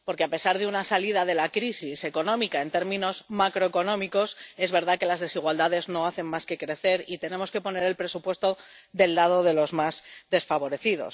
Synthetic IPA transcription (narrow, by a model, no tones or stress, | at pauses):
po̞ɾke̞ape̞saɾðeunasaliðaðe̞lakɾisise̞ko̞nõ̞mikae̞nt̪eɾmĩno̞zmakɾo̞eko̞nõmiko̞se̞zβe̞ɾð̞ake̞lazðe̞siɣ̞wald̪aðe̞zno̞aθe̞mmaske̞kɾe̞θe̞ɾit̪e̞ne̞mo̞ske̞po̞ne̞ɾe̞lpɾe̞supwe̞st̪o̞ðe̞lːað̞o̞ðe̞lo̞zmazd̪e̞sfaβo̞ɾe̞θiðo̞̰s